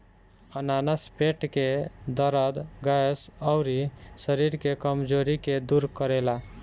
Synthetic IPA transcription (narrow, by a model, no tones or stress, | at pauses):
ənanəspeʈked̪əɾəd̪ɡajsəʊɾisəɾiɾkekəmd͡ʒoɾiked̪uɾkəɾela